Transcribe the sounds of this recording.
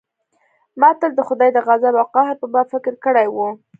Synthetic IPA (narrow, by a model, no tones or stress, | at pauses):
mɑt̪əld̪əxʊd̪ɑjd̪əɣazabawqɑɦɪɾpəbɑbfɪkɪɾkəɽajwu